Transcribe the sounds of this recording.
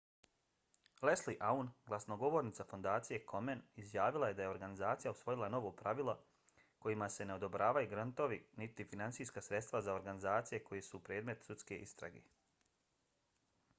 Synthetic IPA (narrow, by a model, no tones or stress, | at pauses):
lesliʔaunɡlˠasnoɡo̞ʋo̞ːɾnit̪afo̞nd̪aːt̪sije̞kʰo̞menizjaːʋilˠaje̞d̪ajeo̞ɾɡanizaːt̪sijausʋo̞jilˠano̞ʋopɾaʋilˠo | ko̞jimase̞ne̞o̞d̪obɾaːʋajuɡɾant̪o̞ʋinit̪ifinantsijskasɾe̞t̪st̪ʋazao̞ɾɡanizaːt̪sije̞ko̞jesupɾeːd̪me̞t̪sut̪ske̞ʔist̪ɾa̰ɡḛː